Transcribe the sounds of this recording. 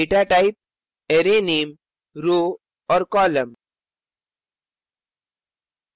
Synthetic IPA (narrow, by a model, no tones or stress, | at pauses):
eʈaʈaɪp̚ | eɾenem | ɾo | ɔɾkɔːləm